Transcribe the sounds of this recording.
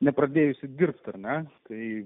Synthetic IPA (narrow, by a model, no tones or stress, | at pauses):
nʲɛpɾɐd̪ʲeːjʊsʲɪd̪ʲɪrpt̪ɐrʲnʲɛt̪ɐɪ